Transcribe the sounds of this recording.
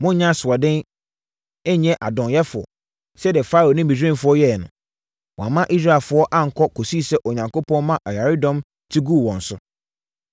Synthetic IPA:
mʊ̃˦ɲ˦ɲã˦sʊ˨a˨dɪ̃˦n | ɛ˦ɲɛ̃˦ʔa˨dɔ̃˨njɛ˦fʊ˨ɔ̰˨ | sɛ˦dɪ˨ɛ˨faː˦ɾo˨nɪ̃˦bĩ˨d͡ʑᶣĩ˦˨fʊ˨˦ɔ˦jɛ˦˨nʊ̰̃˨ | wɔ̃˨a˨mã˦ʔi˦s̬ɾa˦˨lfʊ˨˦ɔ˦ʔa˦ŋ̩˨kʰɔ˦kʰo˨siː˦sɛ˦ʔo˨ɲã˨ŋko˦pʰɔ̃˦n˦mã˦ʔa˨ja˨ɾɪ˦dɔ̃˦m | tʰi˦ɡu˦˨wɔ̃˨n̩˨sʊ˦

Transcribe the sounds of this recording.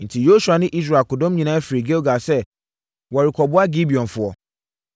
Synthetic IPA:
n̩˨tʰi˨jo˦su˨a˨nɪ̃˦ʔi˦s̬ɾa˨kʊ˨dɔ̃˦m˦ɲĩ˨nãː˦fi˨ɾi˨ɡe˦lɡa˨sɛ˦ | wɔ˨ɾi˨kʰɔ˨bʊ˦a˦ɡi˦bi˨ɔ̃˨n˨fʊ˨ɔ˨

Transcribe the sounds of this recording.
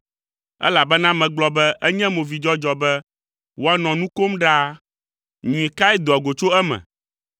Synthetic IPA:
ɛ̰˦la˨bɛ˦nã˦mɛ̃˨ɡ͡blɔ˦bɛ˦ʔɛ˦ɲɛ̃˦mõ˨vi˨d͡ʒɔ˦d͡ʒɔ˨bɛ˦ | wo˦a˦nɔ̃˨nũ˦ko˦mɖa˦ | ɲũ˨ĩ˨ka˦ɛ˦d̪o˨a˨ɡo˨t͡ʃo˦ɛ˦mɛ̰̃˨

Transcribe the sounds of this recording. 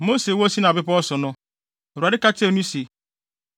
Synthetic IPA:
mo˦se˨wo˦si˦na˨bɪ˦pɔ˦sʊ˨nɔ˦˨ | ɾa˨ɾɪ˦ka˦te˦˨n˦i˦si˨

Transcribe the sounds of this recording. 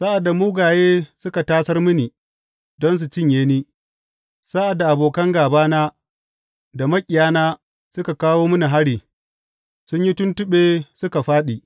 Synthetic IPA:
sa˦ʔa˨dːa˨muː˦ɡaː˨jeː˦sʊ˦ka˨taː˦sɐ˦rmʊ˦ni˨ | dɔ˦ns̬u˨t͡ʃɪ˦ɲjeː˦niː˦ | sa˦ʔa˨dːa˨ʔa˨boː˨kɐ˦ŋɡaː˨baː˦naː˦ | da˨mɐ˦kʲʼɪ˨jaː˦naː˦ | sʊ˦ka˨kaː˦woː˦mʊ˦ni˨ɦa˦ɽiː˨ | sʊ˦ɲji˦tʊ˦ntʊ˦ɓeː˦sʊ˦ka˨ɸaː˦ɗiː˨

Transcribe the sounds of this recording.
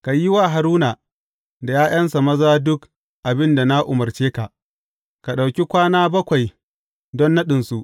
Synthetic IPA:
ka˨ji˦waː˦ɦa˨ɾuː˦na˨ | da˨jaː˦j̰ɐ˦nsa˨mɐ˦zaː˦dʊ˦k | ʔa˨bɪ˦nda˨na˦ʔʊ˨mɐ˨rt͡ʃeː˦ka˨ʔ | ka˨ɗa˨wkʲi˦kʷaː˦naː˦bɐ˦kʷa˨j | dɔ˦nːɐ˦ɗɪ˨nsu˦ʔ

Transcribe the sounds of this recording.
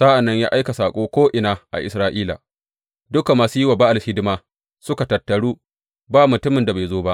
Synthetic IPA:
sa˦ʔa˨nːɐ˦ɲja̰ː˦ʔa˦jka˨saː˨kʷʼoː˦kʷoː˦ʔɪ˨naː˨ʔa̰˨ʔɪ̰˨sɾaː˦ʔiː˦la̰ː˨ | dʊ˦ka˨maː˨suː˦jɪ˦waː˨baː˦ʔa˨lhɪ˦dɪ˦maː˦ | sʊ˦ka˨tɐ˨tːɐ˨ɽuː˦ | baː˦mʊ˨tʊ˦mɪ˨nda˨baː˨jzoː˦ba˦ʔ

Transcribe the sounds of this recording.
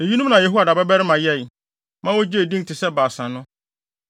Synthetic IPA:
e˨ji˦nũ˦m˦nã˨jɛ˨ɦu˦a˨da˨ba˦bɛ˦ɾɪ˦mã˨jɛ˦˨ | mã˦wɔ˦d͡ʑi˦e˨dĩ˦ntʰɪ˨sɛ˦baː˨sã˨nʊ̃˦

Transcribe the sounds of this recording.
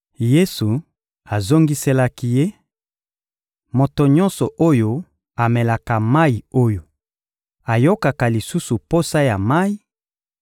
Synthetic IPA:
je˦su˨ | a˨zo˦ŋɡi˦se˦la˦ki˦je˦ | mo˨to˨ɲɔ˦nsɔ˨ʔo˦jo˦ | a˨mɛ˨la˨ka˨ma˦i˨o˦jo˨ | a˨jo˦ka˨ka˨li˨su˦su˨po˦sa˦ja˨ma˦i˦

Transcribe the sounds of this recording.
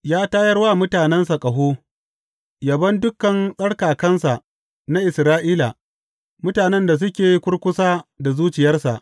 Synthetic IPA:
jaː˦taː˦jɐ˦rwaː˦˨mʊ˦taː˨nɛ˦nsa˨kʼɐ˨ɦoː˦ | jɐ˨bɐ˦ndʊ˦kːɐ˨nsʼɐ˦ɽkaː˨kɐ˦nsa˨ʔ | na˦ʔɪ˨sɾaː˦ʔiː˦la˨ | mʊ˦taː˨nɛ˦nda˨s̬ʊ˦kʲeː˨ji˦kʷʊ˦ɽkʷʊ˦saː˦da˨zuː˦t͡ʃɪ˨jɐ˦rsa̰˨ʔ

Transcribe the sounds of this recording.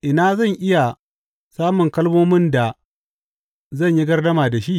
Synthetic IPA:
ʔɪ˨naː˦zɐ˦˨ŋʔɪ˦ja˨ | saː˦mʊ˨ŋkɐ˦lmoː˦mɪ˦nda˨ | zɐ˦˨ɲji˦ɡɐ˦rdɐ˦maː˨da˨ʃi˦ʔ

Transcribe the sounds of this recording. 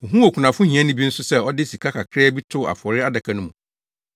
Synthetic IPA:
ʊ˨ɦũ˦o˨kʰu˨nã˨fʊ̃˦hĩ˨ã˦nʊ̃˦bi˦n̩˦sʊ˦sɛ˦ɔ˦dɪ˦si˨kʰa˦kʰa˨kʰɾɛː˦bi˦tʰʊ˦˨a̰˨fɔ˨ɾɪ˦a˦da˨kʰa˨nʊ̃˦mũ˨

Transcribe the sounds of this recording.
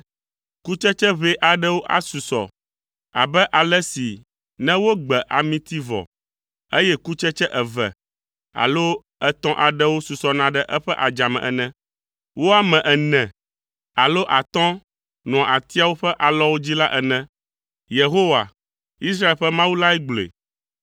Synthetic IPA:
ku˦t͡ʃɛ˦t͡ʃɛ˦βe˦ʔa˨ɖɛ˦wo˦ʔa̰˦su˨sɔ̰˨ | a̰˨bɛ˦ʔa˨lɛ˦si˨ | nɛ̃˦wo˦ɡ͡bɛ˨ʔa˨mĩ˦t̪i˦vɔ̰˨ | e˦jɛ˦ku˦t͡ʃɛ˦t͡ʃɛ˦ʔɛ˨vɛ̰˨ | a̰˨lo˦ | ɛ˦t̪ɔ̃˦ʔa˨ɖɛ˦wo˦su˨sɔ˨nã˨ɖɛ˦ʔɛ˦ɸɛ˦ʔa˨d͡ʒa˨mɛ̰̃˨ʔɛ̰˨nɛ̃˦ | wo˦a˦mɛ̃˨ʔɛ˨nɛ̃˨ | a˨lo˦ʔa˨t̪ɔ̃˦ | nɔ̃˨a˨t̪i˦a˦wo˦ɸɛ˦ʔa˨lɔ˦wo˦d͡ʑi˦la˦ʔɛ˨nɛ̃˦ | je˨ɦo˦wa̰˨ | i˦s̬ɾa˦e˨lɸɛ˦mã˦wu˦la˦ɛ˦ɡ͡blḛ˨

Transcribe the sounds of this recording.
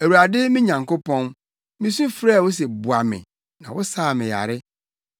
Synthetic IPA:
æ˨wu˨ɾa˨dɪ˦mĩ˦ɲã˨ŋko˦pʰɔ̃˦n | mĩ˦sũ˦fɾa˦˨wʊ˦s̬ɛ˨bʊ˨a˨mɪ̰̃˨ | nã˨wʊ˦saː˦˨mɪ̃˨ja̰˨ɾɪ˦

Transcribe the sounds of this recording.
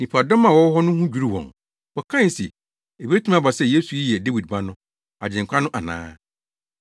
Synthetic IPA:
nĩ˨pʰa˨dɔ̃˦mã˨wɔ˦hɔ˦nʊ̃˦hũ˦d͡ʑᶣu˦ɾi˦wɔ̰̃˨ŋ | wɔ˨kʰã˦n˨si˨ | e˨bi˦e˦tʰũ˦ã˦ba˨sɛ˦˨je˦su˨ji˦jɛ˨de˦wi˨d̚ba˦nʊ̃˦ | a˨d͡ʑɪ̃˨ŋkʷʰa˦nʊ̃˦ʔa˨nã̰ː˦

